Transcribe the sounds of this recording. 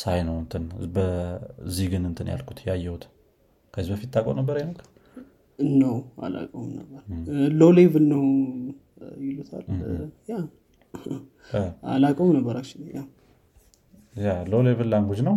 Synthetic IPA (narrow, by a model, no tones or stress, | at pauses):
sajnəwɨnt̪ʰɨnbəzːihɡɨnɨnt̪ʰɨnja̰lkʰut̪jɛajːɛwut̪ | kʰəzibəfit̪̚t̪ʰːakʼownəbːəɾajnəkʰː | nəwa̰la̰kʼownə̰bːəɾlolevɨnːəw | jɪlut̪ʰa̰lja | a̰lakʼəwmnəbːəɾat͡ʃːɪnja | jalolevɨlːaŋɡud͡ʒnəw